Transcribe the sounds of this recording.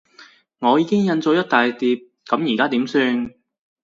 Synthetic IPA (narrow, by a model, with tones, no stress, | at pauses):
ŋɔː˨˧jiː˨˧kɪ˥ŋjɐ˧nt͡so˧wjɐ˥t̚t̪aː˨jt̪iː˨p̚ | kɐ˨˥mjiː˨˩kaː˥t̪iː˨˥msyː˧n